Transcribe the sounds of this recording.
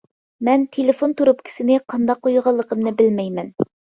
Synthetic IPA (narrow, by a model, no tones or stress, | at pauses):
mɛnt̪ʰelefont̪ʰuɾup̚kʲʰi̥sɪnɪqʰɑnd̪ɑqːojʁɑlˠːəqəmnɨbɪlmɛjmɛn